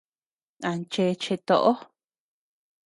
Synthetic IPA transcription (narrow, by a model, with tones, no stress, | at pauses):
a˨nt͡ʃe˧t͡ʃe˧t̪o˧ʔo˦